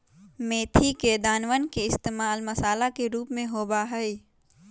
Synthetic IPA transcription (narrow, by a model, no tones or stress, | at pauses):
meːt̪ʰiked̪aːnʋənkeɪst̪eːmaːlmɐsaːlakeɾuːpmẽɦoːbaɦəi